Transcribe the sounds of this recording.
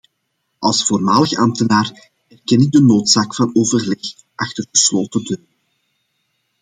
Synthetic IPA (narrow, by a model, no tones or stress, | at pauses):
ʔɑlˠsfoːrmaːləxɑmtənaːr | ɛrkɛnɪɡ̚dənoːtsaːkfɑnoːvərlɛx | ʔɑxtərɣəsloːtədøːr